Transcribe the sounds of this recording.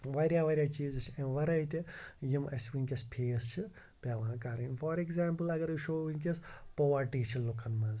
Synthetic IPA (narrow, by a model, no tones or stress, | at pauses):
ʋɐɾʲjaːʋɐɾʲjaːt͡ʃiːzɨt͡ʃʰẽʋɐɾɐjt̪ijimɐsʲʋinʲkʲɐspʰeːst͡ʃʰi | pʲaːʋaãkɐɾɐnfaːɾekzaːmpɨlɐɡɐɾiʃoːʋinʲkʲespoʋaʈiːt͡ʃʰilukʰɐnmɐ̃nz